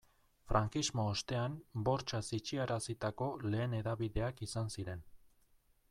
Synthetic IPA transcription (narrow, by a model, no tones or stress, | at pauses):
fɾʔaŋkizmo̞ːst̪e̞ambo̞ɾt͡ʃasit͡ʃiaɾasit̪ako̞le̞ːne̞ðaβiðe̞akisansiɾe̞n